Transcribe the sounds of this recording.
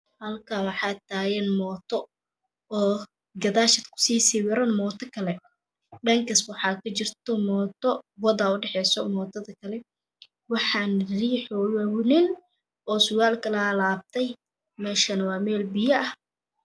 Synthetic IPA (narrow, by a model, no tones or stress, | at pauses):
hɐlkʰawɑħɑːt̪ʰaːjɛnmɔːt̪ʰɔ | ɔː | ɡɐðaːʃɐd̪kʰʊ̥siːsiwɪɾɐnmɔːt̪ʰɔkʰɐlɛ | ɖɐŋkʰɐswɑħɑːkʰɐt͡ʃɪrt̪ʰɔmɔːt̪ʰɔwɔðɐʊɖɛħɛjsɔmɔːt̪ʰɐðɐkʰɐlɛ | wɑħɑːnriːħɔjɐwnɪn | ʔɔːsʊɣaːlkʰɐlɐlaːb̚t̪ʰɛj | mɛːʃɐnɐwɑːmɛːlbɪjɐʔɐh